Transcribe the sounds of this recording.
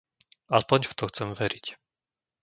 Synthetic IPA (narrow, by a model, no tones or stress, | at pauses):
aspɔɲft̪ɔxt͡sɛmʋɛɾic